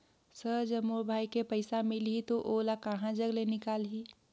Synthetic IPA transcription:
səɾd͡ʒəbobʱaːikepəɪsamɪlɦit̪oʔoːlakəɦãd͡ʒəɡlenɪkaːlɦi

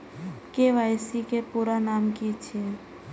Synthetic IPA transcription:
keʋajsikepuɾanamkit͡ʃʰe

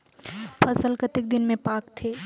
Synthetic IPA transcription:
pʰɐsəlkət̪ɪk̚d̪ɪnmẽpaːkt̪ʰeː

